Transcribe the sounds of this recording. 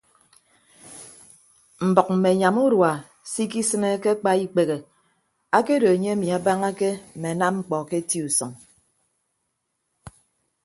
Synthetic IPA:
m̩˨bɔ˨k̚m̩˨me˨ɲa˨mu˦ɾwa˨ | si˦ki˦sɨ˦ne˦ke˦k͡pa˦i˦k͡pe˨ɣe˨ | a˦ke˦do˨e˨ɲe˦a˦mi˨a˨ba˦ŋa˦ke˦m̩˨me˨a˨na˦mŋ͡m̩˦k͡pɔ˨ke˦ti˦u˨sɔ˨ŋ

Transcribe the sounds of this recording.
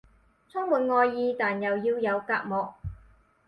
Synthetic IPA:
t͡sʰə˥ŋmuː˨˩nŋɔː˧jːiː˧t̪aː˨˩njɐ˨˩wjiː˧wjɐ˨˧wkaː˧k̚mɔː˨k̚

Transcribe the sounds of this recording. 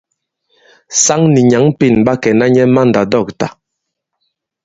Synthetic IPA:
sa˦ŋni˨ɲa˨˦ŋpi˦˨nba˦kɛ˨na˦ɲɛ˦ma˦n̩˨da˨dɔ˦˨k̚ta˨

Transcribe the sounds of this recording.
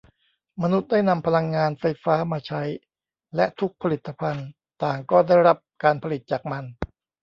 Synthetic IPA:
ma˧nu˦˥t̪̚da˥˩jna˧mpʰa˧la˧ŋːaː˧nfa˧jfaː˦˥maː˧t͡ɕʰa˦˥j | lɛ˦˥ʔt̪ʰu˦˥k̚pʰa˧li˨˩t̪ːa˧pʰa˧n | t̪aː˨˩ŋkɔː˥˩da˥˩jɾa˦˥p̚kaː˧npʰa˧li˨˩t̪̚t͡ɕaː˨˩k̚ma˧n

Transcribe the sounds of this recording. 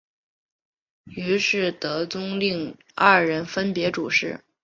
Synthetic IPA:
y˧˥ʂɻ̩˥˩t̪ɤ˧˥t͡sʊ˥ŋli˥˧ŋ | ɐ˥˩ɻə˧˥nfə˥npjɛ˧˥ʈ͡ʂu˨˩ʂɻ̩˥˩

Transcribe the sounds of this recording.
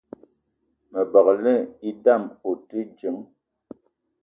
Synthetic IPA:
mə˨bɔ˨klɛ˦i˦da˦˨mo˨ti˦d͡ʒi˨˦ŋ

